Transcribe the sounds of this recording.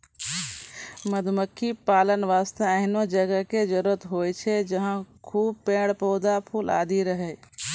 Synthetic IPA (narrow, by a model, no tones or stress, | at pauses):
məd̪ʱməkʰːipaːlənʋaːst̪eəɦnod͡ʒəɡəked͡ʒəɾuɾət̪ɦojt͡ʃʰɛd͡ʒəɦãkʰuːb̚pẽːɽpɔːd̪apʰuːla̰ːd̪iɾəɦɛ